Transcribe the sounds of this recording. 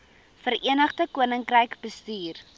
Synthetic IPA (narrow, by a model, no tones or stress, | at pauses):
fəɾʔiənəχdəkuənəŋkrəjkbəstyːr